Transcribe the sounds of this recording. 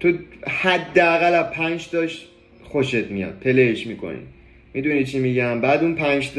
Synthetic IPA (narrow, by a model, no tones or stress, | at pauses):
t̪ʰohæd̪ːeæɣælæzpʰænd͡ʒt̪ɒʃ | xo̞ʃet̪ʰmijɒ̰n̚pʰe̞leeʃmikʰo̰nḭ | mid̪unit͡ʃʰimiɟæmbæːd̪unpʰænd͡ʒt̪